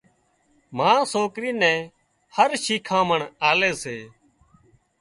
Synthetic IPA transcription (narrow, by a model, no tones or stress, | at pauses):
mãːsoːkɾiːnɛ̃ː | həɾʃiːkʰãːməɳaːleːseː